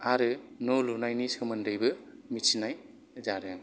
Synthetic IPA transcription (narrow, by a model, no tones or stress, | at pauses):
aɾɯnolunajnisɯmɯndɯjbɯmisinaj | zaɾɯ